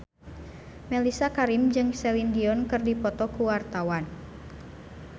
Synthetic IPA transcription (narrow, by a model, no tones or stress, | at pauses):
mɛlisakaɾimd͡ʒɨŋsɛlindiɔnkɨrdipɔt̪ɔkuwart̪awan